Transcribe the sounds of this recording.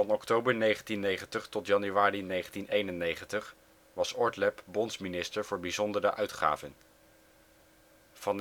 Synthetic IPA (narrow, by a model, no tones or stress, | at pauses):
ɑnɔktowbəɹnejχəntinejχəntəχtɔtjɑnyʋaːrinejχəntinejnənejχəntəχ | ʋɑsɔɹtlɛpbɔnsminɪstəɹvʊːɹbizɔndərəʔœɥtχa̰ːvən | vɑn